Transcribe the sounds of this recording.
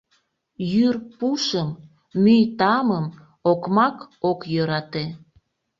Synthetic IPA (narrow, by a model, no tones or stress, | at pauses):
jyrpuʃəmː | yjt̪ɑməm | okmɑkokjøɾɑt̪e